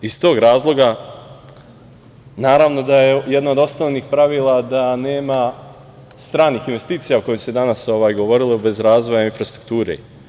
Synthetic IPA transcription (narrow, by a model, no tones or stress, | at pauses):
ist̪o̞ːɡɾaːzlˠo̞ɡa | naːɾaʋno̞d̪aje̞jed̪naod̪o̞snoʋniːxpɾaʋiːlad̪ane̞ːma | st̪ɾaːniːxinʋe̞st̪iːt̪sijauko̞josed̪anaso̞ʋaːjɡo̞ʋo̞ɾilobe̞zɾaːzʋo̞jainfɾast̪ɾuk̚t̪uːɾḛ